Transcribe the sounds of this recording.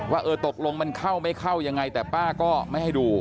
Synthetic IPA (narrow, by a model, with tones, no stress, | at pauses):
waː˥˩ʔɤː˧t̪o˨˩k̚lo˧ŋma˧nkʰa˥˩wma˥˩jkʰa˥˩wja˧ŋːa˧jt̪ɛː˨˩paː˥˩kɔː˥˩ma˥˩jha˥˩jduː˧